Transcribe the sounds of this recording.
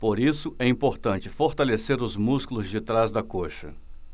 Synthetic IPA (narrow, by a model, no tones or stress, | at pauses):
poɾisʊɛĩpoɾt̪ɐ̃nt͡ʃɪfoɾt̪aleseɾʊzmuskulʊzd͡ʒɪt̪ɾazd̪ɐkoʃɐ̰